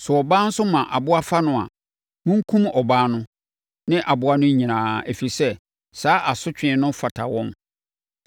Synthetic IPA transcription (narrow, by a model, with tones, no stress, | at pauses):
sʊ˨ɔ˨baː˦n̩˦sʊ˦mã˨ʔa˨bʊ˦a˦fa˦nʊ̃˦a̰˨ | mʊ̃˦ŋ̩˦kʰũ˦mɔ˨baː˦nʊ̃˦ | nɪ̃˦ʔa˨bʊ˦a˦nʊ̃˦ɲ˦ɲĩ˨nãː˨æ˨fi˨i˨sɛ˦ | saː˨˦ʔa˨sʊ˦t͡ɕᶣɪ̃˨˦nʊ̃˦fa˨tʰa˨wɔ̃˦m